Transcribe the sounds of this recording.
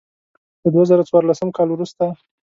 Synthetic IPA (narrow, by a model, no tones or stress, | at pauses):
d̪̥əd̪wazəɾat͡swɑɾlasəmkɑlwɾust̪a